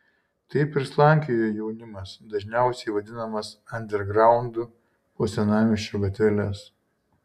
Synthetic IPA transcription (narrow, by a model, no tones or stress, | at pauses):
t̪ɐɪpɪɾslˠɑˑŋʲkʲɪjojɛʊnʲɪmɐsd̪ɐʒʲnʲæˑʊsʲɛɪʋɐd̪ʲɪnɐmɐsɐnʲd̪ʲɛɾɡɾɑˑʊnd̪u | pot̪sʲɛnɑːmʲɪʃʲt͡ʃʲuɡɐt̪ʲɛlʲɛs